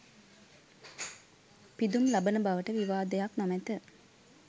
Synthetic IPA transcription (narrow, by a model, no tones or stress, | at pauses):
pid̪umlabənəbaʋəʈəʋiʋaːd̪əjaknɔmɛt̪ə